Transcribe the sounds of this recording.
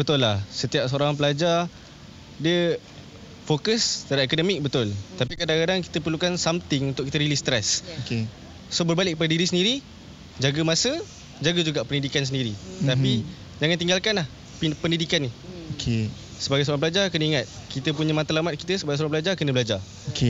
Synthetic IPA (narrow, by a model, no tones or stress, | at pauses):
bət̪ʊlːahsət̪iap̚səoɾaŋpəlad͡ʒar | diə | fokəsdaɾiekodəmɪk̚bət̪ʊlt̪apikadaŋkadaŋki̥t̪əp̬ərlukansamt̪ɪŋunt̪ʊʔkit̪əɾilist̪ɾɛsoke | sobərbalɪʔkːəp̬adədiɾis̬əndiɾi | d͡ʒaɡəmasə | d͡ʒaɡəd͡ʒuɡaʔpəndidikansəndiɾit̪api | d͡ʒaŋant̪iŋɡalkanlah | ppəndidikanːiokʰe | səbaɡajs̬əoɾaŋpəlad͡ʒarkənəiŋat̪̚ | kit̪əpuɲəmãnt̪alamat̪̚ki̥t̪əsəbaɡajs̬oɾaŋpəlad͡ʒarkənə̃bəlad͡ʒa | okʰe